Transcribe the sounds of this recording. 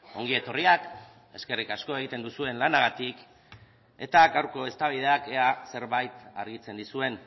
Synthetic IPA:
o̞̰ŋɡie̞t̪o̞riak | e̞ske̞rikasko̞e̞ɣ̞it̪e̞nd̪usue̞nlanaɣ̞at̪ik | e̞t̪aɡawɾko̞e̞st̪aβ̞ið̞e̞akease̞ɾβajt̪aɾɣit͡se̞nd̪isue̞n

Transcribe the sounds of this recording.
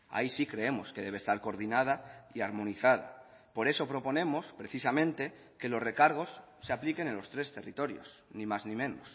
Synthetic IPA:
a̰isikɾe̞e̞mo̞ske̞ðe̞β̞est̪aɾko̞ɾðinað̞aiaɾmõ̞niθað̞a̰ | po̞ɾe̞so̞pɾo̞po̞nẽ̞mo̞spɾe̞θisamẽnt̪e̞ | ke̞lo̞sre̞kaɾɣ̞o̞sː | e̞aplike̞nenlo̞st̪ɾe̞st̪e̞rit̪o̞ɾjo̞̰snĩmaznĩmẽ̞nos

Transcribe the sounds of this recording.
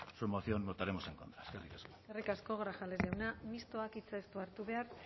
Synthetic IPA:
suɾmoθio̞nːot̪aɾe̞mo̞seŋkont̪ɾaeskerik̪ḁsko̥erikasko̞ɣ̞ɾaxalezewnamist̪oakit͡sast̪uaɾt̪uβe̞aɾ

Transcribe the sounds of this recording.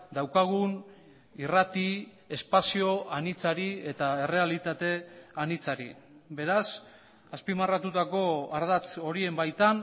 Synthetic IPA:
d̪awkaɣ̞un | irat̪i | e̞spasio̞ʔanit͡saɾie̞t̪ae̞re̞alit̪at̪e̞anit͡saɾḭbe̞ɾas | aspimarat̪ut̪ako̞aɾðat͡so̞ɾie̞mbajt̪an

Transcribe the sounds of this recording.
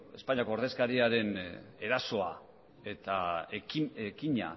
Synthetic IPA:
e̞spaɲako̞oɾðe̞skaɾiaɾe̞ne̞ɾaso̞a | e̞t̪a | ekiɲa̰

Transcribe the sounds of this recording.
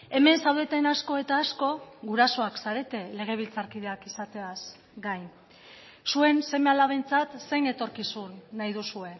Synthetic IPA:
e̞me̞nsawðe̞t̪enasko̞e̞t̪aːsko̞ɣuɾaso̞aksaɾe̞t̪e̞le̞ɣ̞e̞β̞ilt͡saɾkið̞e̞akisat̪e̞as | ɡajn | sue̞nse̞me̞alaβe̞jnt͡sat̪se̞jne̞t̪o̞ɾkisunːajð̞usue̞

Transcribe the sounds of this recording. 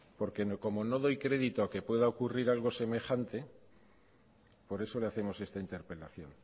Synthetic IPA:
po̞ɾke̞noko̞mo̞no̞ðo̞jkɾe̞ðit̪oake̞pwe̞ðao̞kuriɾalɣ̞o̞se̞me̞xant̪e̞ | po̞ɾe̞so̞le̞aθe̞mo̞se̞st̪aint̪eɾpe̞laθjo̞̰n

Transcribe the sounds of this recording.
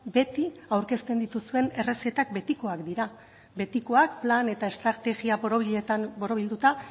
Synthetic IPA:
be̞t̪iawɾke̞st̪e̞nd̪it̪usue̞ne̞re̞se̞t̪ak̚be̞t̪iko̞akd̪iɾa | be̞t̪iko̞ak̚plane̞t̪ae̞st̪ɾat̪e̞ɣiapoɾo̞βiʎe̞t̪anbo̞ɾo̞βild̪ut̪a

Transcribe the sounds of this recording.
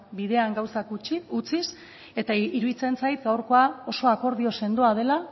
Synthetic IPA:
biðe̞aŋɡawsakut͡ʃiut͡sis | e̞t̪aiɾuðit͡se̞nt͡sajt̪ɡawɾko̞ao̞so̞ako̞ɾðio̞se̞nd̪oað̞e̞la

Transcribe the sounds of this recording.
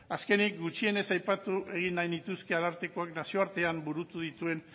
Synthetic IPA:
aske̞nikɡut͡ʃie̞ne̞sajpat̪uʔe̞ɣinːajnit̪uske̞alaɾt̪eko̞aknasio̞aɾt̪e̞ambuɾut̪uðit̪ue̞n

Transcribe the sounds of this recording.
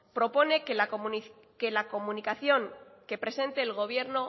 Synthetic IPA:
pɾo̞po̞ne̞k | kelako̞mũnikaθjo̞ŋke̞pɾe̞se̞nt̪e̞ːlɣ̞o̞β̞je̞ɾno̞

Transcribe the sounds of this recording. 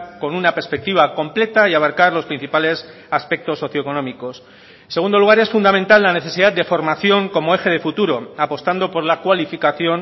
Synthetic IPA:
ko̞nunapeɾspek̚t̪iβako̞mple̞t̪aiaβaɾkaɾlo̞spɾin̟θipale̞s | aspe̞k̚t̪o̞sːo̞θjoeko̞nõ̞miko̞s | nseɣũnd̪o̞luɣ̞aɾe̞sfund̪amẽnt̪alːane̞θe̞siðad̪d̪e̞fo̞ɾmaθjo̞ŋko̞moe̞xe̞ðe̞fut̪uɾo̞apo̞st̪and̪o̞po̞ɾlakwalifikaθjo̞n

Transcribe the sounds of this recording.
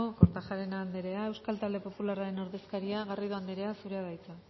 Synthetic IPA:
okoɾt̪axaɾe̞naːnd̪eɾe̞ae̞wskalt̪ald̪e̞po̞pularaɾe̞no̞ɾðe̞skaɾiaɣariðoand̪eɾe̞asuɾe̞aðajt͡sa

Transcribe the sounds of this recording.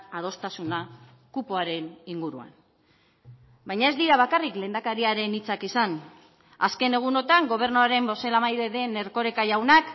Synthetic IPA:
að̞o̞st̪asuna | kupoaɾe̞niŋɡuɾua̰n | bajɲae̞zd̪iɾaβakarikle̞ːnd̪akaɾiaɾe̞nit͡sakisan | aske̞ne̞ɣ̞uno̞t̪aŋɡo̞β̞e̞rnuaɾe̞mbo̞se̞lamajðe̞ðe̞ne̞ɾko̞ɾe̞kaʝawnak

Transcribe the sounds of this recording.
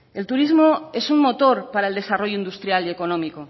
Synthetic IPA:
e̞lt̪uɾizmo̞e̞summo̞t̪o̞ɾpaɾaeld̪e̞saro̞ʝoind̪ust̪ɾjalie̞ko̞no̞miko̞

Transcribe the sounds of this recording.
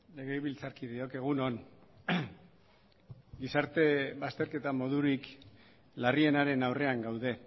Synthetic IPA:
le̞ɣejβilt͡saɾkiðio̞ke̞ɣ̞unon | ɡisaɾt̪e̞βast̪e̞ɾke̞t̪amo̞ðuɾik | larie̞naɾe̞nawre̞aŋɡawðe̞

